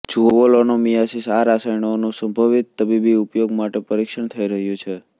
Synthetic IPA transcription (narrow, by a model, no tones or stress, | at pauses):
d͡ʒʱoʋolonomijasisaɾasajɳoonũsəmbʱəʋit̪ːəbibiupjoɡmaʈepəɾikʃəɳt̪ʰəiɾəɦjũt͡ʃʰe